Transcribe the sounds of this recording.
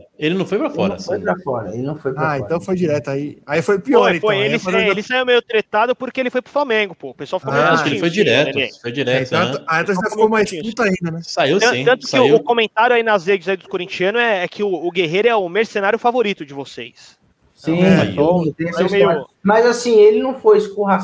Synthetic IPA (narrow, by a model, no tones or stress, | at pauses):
elɪnɐ̃w̃fojpɾafɔ̰ɾɐ̃sfojpɾafɔɾɐ̰ḛlɪnɐ̃w̃fojpaẽt̪ɐ̃w̃fojd͡ʒiɾɛt̪ʊaiaifojʊpioɔɾĩfjelɪselɪsaiwmejʊt̪ɾet̪ad̪ʊpʊɾkeelɪfojpɾʊflamẽɡʊpoʊpeswawfikomẽaaʃkelɪɪfojd͡ʒiɾɛt̪ʊfojd͡ʒiɾɛ̃t̪w̃aɛt̪ʒafikowmaeskũt̪aĩnd̪ɐnɛsaiw̪̃tɐ̃nt̪ʊ̥kɪʊʊkõmẽnt̪aɾjʊainɐzɦed͡ʒɪzaid̪ʊ̥koɾĩt͡ʃiɐ̃nʊɛɛkʰɪʊːɡeɦejɾʊɛʊmeɾsenaɾjʊfavoɾit̪ʊd͡ʒɪvosḛjs | sĩoet̪ẽsaiwmejjʊmɐjzasĩelɪnɐ̃w̃fojɪskuha